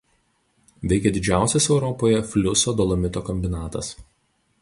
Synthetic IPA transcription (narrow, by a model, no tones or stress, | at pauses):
ʋʲɛɪkʲɛd̪ʲɪd͡ʒʲæˑʊsʲɛsɛʊɾɔpoːjɛfʲlʲʊsoːd̪ɔlˠɐmʲɪt̪oːkɔmʲbʲɪnɑːt̪ɐs